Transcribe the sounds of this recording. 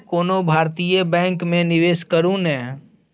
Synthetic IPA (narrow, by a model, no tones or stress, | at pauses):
koːnobʱaːɾt̪ijəbɛ̃ːŋkmẽnɪʋeːskəɾũnɛ̃ː